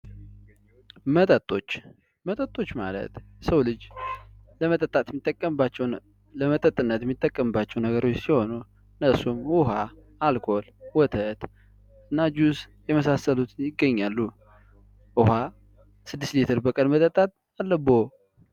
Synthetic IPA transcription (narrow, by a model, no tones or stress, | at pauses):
mət̪ʼət̪ʼo̞t͡ʃː | mət̪ʼət̪ʼo̞t͡ʃːma̰lə̰t̪səwlɨd͡ʒ | ləmət̪ʼət̪ʼːat̪jɛmːit̪ʼːəkʼːəmbat͡ʃːɛw | ləmət̪ʼət̪ʼɨnːət̪jɛmːit̪ʼːəkʼːəmbat͡ʃːɛwnəɡəɾo̞t͡ʃːsiho̞nu | ɨnːəsumwuɦaː | lkʰo̞lwɔt̪ʰət̪ | ɨnːad͡ʒus | jɛməsasəlut̪ʰnjɪɡːəɲːalːu | ʔuha | sɨd̪ːɨst̪lit̪ʰəɾbəkʼənmət̪ʼət̪ʼːat̪̚ʼ | alːəbo